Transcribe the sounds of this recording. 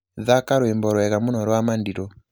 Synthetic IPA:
ðakaɾwɛmbɔɾwɛkamunɔɾwamandiɾɔ

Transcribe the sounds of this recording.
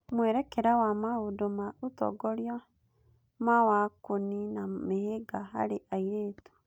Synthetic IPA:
mwɛɾɛkɛɾawamahodomautɔ̰ɡɔɾja | mawakoninameheɡaɦa̰ɾeʔaiɾeːtu̥

